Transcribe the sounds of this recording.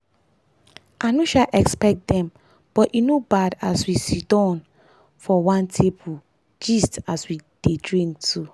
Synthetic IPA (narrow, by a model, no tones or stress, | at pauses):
anoʃalʔɛkspɛk̚t̚dɛ̃m | b̥ɔtinobadaswisidɔ̃n | fɔwãntʰepu | d͡ʒistaswid̥edɹĩŋktʰu